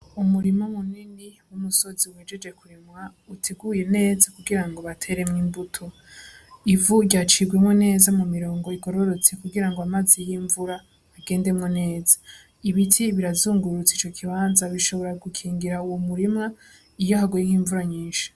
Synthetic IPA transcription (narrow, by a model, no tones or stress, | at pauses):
umuɾimomuniniwumuso̞ziweːd͡ʒe̞d͡ʒe̞kuɾimŋautʰeɡuːje̞ne̞ːzakuɡiɾaŋɡo̞βatʰe̞ɾe̞mŋiːmbutʰo̞ | ivuɟat͡ʃiɡwemŋwe̞ne̞ːzamumiɾo̞ːŋɡo̞iɡo̞ɾo̞ɾo̞t͡sekuɡiɾaŋɡoamazijiːɱvuɾaː | ɡe̞ːnde̞mŋene̞ːzḁ | iβitʰiβiɾazuːŋɡuɾut͡sit͡ʃo̞kʰiβaːnzaβiʃo̞βo̞ɾaɡukʰiːŋɡiɾauwomuɾimŋa | ijo̞haɡujeŋ̥hiːɱvuɾaɲiːnʃi̥